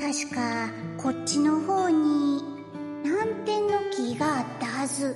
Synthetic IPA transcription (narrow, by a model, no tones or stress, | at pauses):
t̪aɕi̥kakʰo̞t͡ɕːino̞ho̞ːɲ̟i | nãnt̪ẽ̞nːo̞kʲiɡaːt̪ːahazɨ